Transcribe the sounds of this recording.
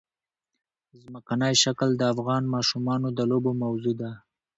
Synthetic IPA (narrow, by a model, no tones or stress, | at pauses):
zməkanəjʃakld̪əafɣɑnmɑʃumɑnod̪əlobomawzod̪a